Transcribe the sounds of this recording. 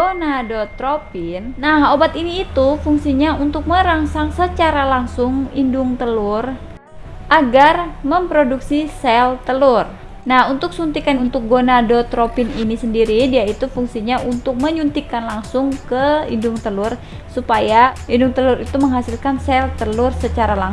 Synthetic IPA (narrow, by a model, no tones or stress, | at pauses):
ɡonadot̪ɾopinːahobat̪iniːt̪ufuŋsiɲaunt̪ʊk̚məɾaŋsaŋsət͡ʃaɾalaŋsʊŋindʊŋt̪əlur | ʔaɡarməmpɾoduksisɛlt̪əlur | nahunt̪ʊk̚sunt̪ikanunt̪ʊk̚ɡonadot̪ɾopininisəndiɾidiait̪ufuŋsiɲaunt̪ʊk̚məɲunt̪ikanlaŋsʊŋkəḭndʊŋt̪əlʊr | supajaindʊŋt̪əluɾit̪uməŋɦasilkansɛlt̪əlʊrsət͡ʃaɾalaŋ